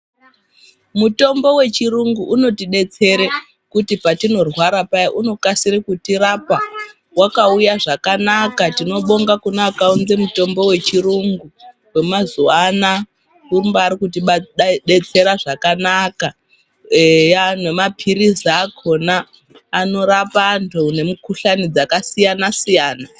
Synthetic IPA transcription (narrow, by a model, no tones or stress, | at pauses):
muto̞mbo̞we̞t͡ʃiruŋɡuʔuno̞tiɗe̞t͡se̞ɾe | kutipatino̞rwaɾapaiʔuno̞kasiɾikutiɾapa | wakaujaʐakanakatino̞ɓo̞ŋɡakunakaunze̞muto̞mbo̞we̞t͡ʃiruŋɡu | we̞mazuwana | umbaːɾikutiɓɓe̞t͡se̞ɾaʐakanaka | janwemapʰiɾizaːkʰo̞naː | no̞ɾapantʰune̞mukuɬanid͡zakasijanasijaːna